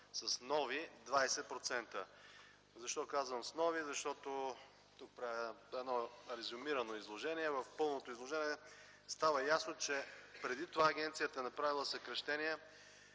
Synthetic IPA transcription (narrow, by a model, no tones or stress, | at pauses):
sɐsnɔvid̪vajsɛpɾot̪sɛnt̪ə | zɐʃt̪ɔkazvəmsnɔvizɐʃt̪ɔt̪o | t̪uk̚pɾaɛd̪nɔɾɛzʊmiɾɐnoizlˠoʒɛniɛvəfpɤlˠnot̪oizlˠoʒɛniɛ | st̪avəjasnot͡ʃɛpɾɛd̪it̪ovaːɡ̟ʲɛnt̪sijət̪əɛnɐpɾavilˠəsɐkɾɐʃt̪ɛniɛ